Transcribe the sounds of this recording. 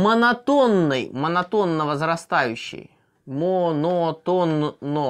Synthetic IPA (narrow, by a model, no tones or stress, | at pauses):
mənɐt̪onːɨjmənɐt̪o̞nːəvəzɾɐst̪ajʉɕːɪ̰j | monot̪onːo